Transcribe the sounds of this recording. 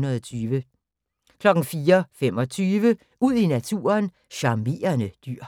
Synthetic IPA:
nɐðˠt͡sʰyːʋə | kʰlɒ̽ɡ̥ŋ̩fiːɐfemɒ̽t͡sʰyːʋə | uð̞̰ˠinæt͡sʰṵːɐn | ɕɑ̈me̝̰ːɐnəd̥yɐ̰

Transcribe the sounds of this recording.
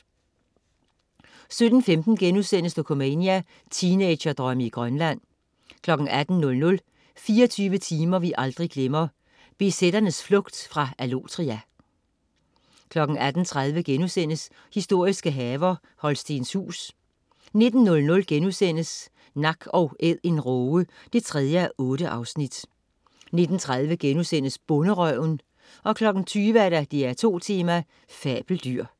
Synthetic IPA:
sød̥n̩femd̥n̩ɡ̥enusen̰əsd̥ʰokʰo̝mɛniæ | t͡sʰiːneɪ̥ɕɐd̥ʁɶməiɡ̥ʁɶnlæn̰ | kʰlɒ̽ɡ̥n̩ʔæd̥n̩ːɔ̽lnɔ̽l | fiːɐt͡sʰyːʋət͡sʰiːmɐʋiʔɑ̈ld̥ʁiɡ̥lemɐ | b̥e̝sed̥ɐnəsflɔ̽ɡ̥d̥fʁɑ̈ælot͡sʰʁiæ | kʰlɒ̽ɡ̥n̩æd̥n̩t͡sʰʁað̞ˠʋəɡ̥enusen̰əs | hisd̥o̝ɐ̰isɡ̥əɦɛːʋɐ | hɒ̽lsd̥enshṵːs | ne̝d̥n̩ːɔ̽lnɔ̽lɡ̥enusen̰əs | nɑ̈ɡ̥ɒ̽ʊʔeð̰ˠe̝nʁɔːə | d̥e̝t͡sʰʁɛð̞ˠjəæʔɔ̽ːɾ̥əʔɑ̈ʊsnid̥ | ne̝d̥n̩t͡sʰʁað̞ˠʋəɡ̥enusen̰əsb̥ɔ̽nəʁœʊn | ʔɒ̽kʰlɒ̽ɡ̥n̩t͡sʰyːʋəæɐɾ̥æd̥iæɐt͡sʰo̝̰ːt͡sʰiːmæ | fɛ̰ːb̥l̩d̥yɐ̰

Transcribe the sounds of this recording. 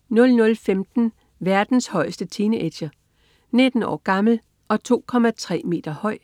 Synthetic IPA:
nɔ̽lnɔ̽lfemd̥n̩ | ʋæɐd̥n̩shɒ̽ɪsd̥ət͡sʰiːnəʔe̥ɕɐ | ne̝d̥n̩ɒ̰ːɡ̥ɑ̈ml̩ | ʔɒ̽t͡sʰo̝̰ːkʰɒ̽mæt͡sʰʁɛ̰ːme̝̰ːd̥ɐhɒ̽ɪ̰

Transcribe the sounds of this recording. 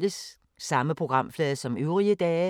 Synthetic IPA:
ləsː | ɑ̈məpʰʁo̝ɡ̥ʁɑ̈m̰flɛːðˠsɒ̽møʊʁiəd̥ɛː

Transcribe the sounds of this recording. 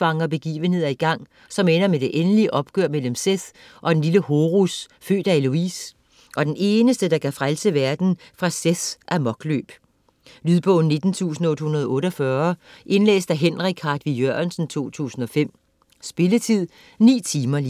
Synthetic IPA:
ɑ̈ŋɐb̥e̝ɡ̥ḭːʋəne̝ð̰ˠɐiɡ̥ɑ̈ŋ̰ | sɒ̽menɐmed̥e̝ʔenəliʔɒ̽b̥̚ɡ̥øɐ̰mel̰m̩seθ | ʔɒ̽d̥enliləhoːʁusfø̰ːd̥æeluḭːs | ʔɒ̽d̥ene̝ːnəsd̥əd̥ɑ̈kʰæfʁalsəʋæɐd̥n̩fʁɑ̈seθʔæmɒ̽ɡ̥lø̰ːb̥ | lyðˠb̥ɔ̰̽ʊ̰n̩nːe̝d̥n̩t͡sʰṵːsn̩ɔ̽d̥hunɐð̞ˠɔ̽ːɾɒfɶːɐʔe̝nlḛːsd̥æɦenʁiɡ̥ʰɑd̥ʋijøɐnsn̩t͡sʰo̝̰ːt͡sʰṵːsn̩ɒ̽fem̰ | sb̥e̝lət͡sʰið̰ˠ | nḭːt͡sʰiːmɐliː

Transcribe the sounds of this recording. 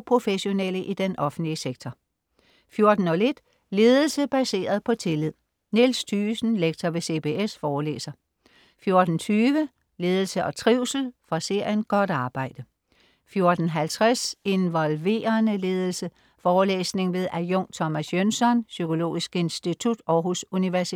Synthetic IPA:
pʰʁo̝feɕo̝neləʔid̥enʔɒ̽fn̩dliseɡ̥t͡sʰɒ | fjo̝ɐd̥n̩ɒ̽le̝d̥ | le̝ːð̞ˠl̩səb̥æse̝̰ːɐðˠpʰɒ̽t͡sʰe̝lið̞̰ˠ | nelst͡sʰyːsn̩leɡ̥̚t͡sʰɐʋe̝se̝pe̝ːesfɒːlḛːsɐ | fjo̝ɐd̥n̩t͡sʰyːʋə | le̝ːð̞ˠl̩səʔɒ̽t͡sʰʁiʊ̰sl̩fʁɑ̈se̝ɐ̰jənɡ̥ɒ̽d̥ɑ̈ːb̥ɑ̈ɪ̰d̥ə | fjo̝ɐd̥n̩ɦælt͡sʰʁase̝nʋɒ̽lʋe̝̰ːɐnəle̝ːð̞ˠl̩sə | fɒːlḛːsne̝ŋʋe̝ðˠʔæjɔ̽ŋ̰t͡sʰɒ̽mæsjønsɒ̽nsykʰo̝lo̝̰ːisɡ̥e̝nsd̥it͡sʰud̥ɒ̽ʊɦosuniʋæɐs

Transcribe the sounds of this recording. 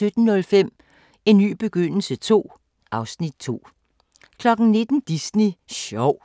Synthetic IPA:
ød̥n̩ːɔ̽lfem̰ | e̝nːy̰ːb̥e̝ɡ̥øn̰l̩sət͡sʰo̝̰ː | ʔɑ̈ʊsnid̥̚t͡sʰo̝̰ː | kʰlɒ̽ɡ̥n̩ne̝d̥n̩d̥isniɕɒʊ̰

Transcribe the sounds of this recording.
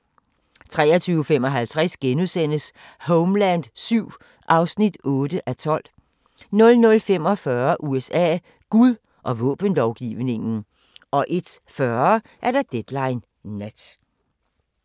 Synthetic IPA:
t͡sʰʁɛ̰ːɐt͡sʰyːʊəfemɒ̽ɦælt͡sʰʁasɡ̥enuðˠsen̰əs | hoʊmlænd̥syʊ̰ | ʔɑ̈ʊsnid̥ɔ̽ːd̥əʔæt͡sʰɒ̽l̰ | nɔ̽lnɔ̽lfem̰ɒ̽fɶːɐʔuesɛ̰ː | ɡ̥uðˠ | ʔɒ̽ʋɔ̰̽ːb̥ənlɒʊɡ̥ḭːʊne̝ŋn̩ | ɒ̽ʔe̝d̥ | fɶɐ | ʔæɐɾɑd̥ed̥lɑ̈ɪnː | æd̥

